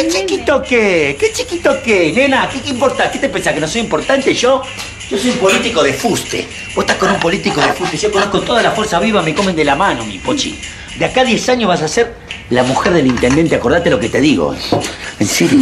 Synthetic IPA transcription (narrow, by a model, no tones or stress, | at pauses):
ket͡ʃikit̪okeket͡ʃikit̪okenenakeimpoɾt̪aket̪epensakenos̬ojimpoɾt̪ant̪eʒo | ʒ̥oso̞jumpo̞lit̪iko̞ðefust̪ḛ | boe̥t̪ahkonumpo̞lit̪ikoðefust̪eʒokonohko̞t̪o̞ðalafweɾsaβiβameko̞mend̪elamano̞mḭpot͡ʃḭ | d̪eakaðje̞saɲjoɦβas̬aseɾ | lamuxeɾðelint̪end̪e̞nt̪eako̞ɾðat̪elo̞ket̪e̞ðiɣo̰enseɾjo